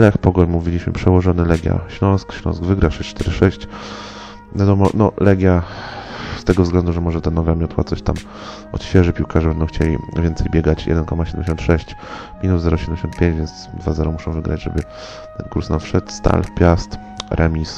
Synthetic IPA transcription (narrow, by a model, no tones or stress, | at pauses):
lɛxpɔɡɔɲmuvʲilʲiɕmɘ̰pʂɛwɔʐɔnɘlɛɡʲja̰ɕlɔ̃w̃skɕlʲɔ̰̃sɡvɘɡɾaʂɛɕt͡ʂt̪ɛɾɘʂɛɕt͡ɕ | vʲjad̪ɔmɔnɔ̰lɛɡʲja | st̪ɛɡɔvzɡlɛnd̪uʐɛmɔʐɛt̪anɔvamʲjɔt̪wat̪sɔɕt̪am | ɔ̰t̪ɕfʲjɛʐɘpʲiwkaʐɛbɛnd̪ɔ̃w̃xt͡ɕelʲḭvʲjɛnt̪sɛjbʲjɛɡat͡ɕjɛ̰d̪ɛnkɔmaɔɕɛd̪ɛmɲeɕɔ̃nt̪ʂɛɕt͡ɕ | mʲinut̪zɛɾɔɕɛdɛmɲd͡ʑeɕɔnt̪pʲjẽɲd͡ʑvʲjɛnsd̪vazɛɾɔmuʂɛ̃w̃vɘɡɾad͡ʑʐɛ̰bɘ | t̪ɛnkuɾsnafʂɛt̪st̪a̰lpʲjast̪ | ɾʔamʲis